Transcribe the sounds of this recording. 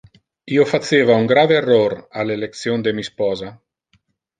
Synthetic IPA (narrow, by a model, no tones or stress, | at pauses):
iofat̪sevauŋɡɾaveerːoɾalelek̪̚sjond̪emispɔːza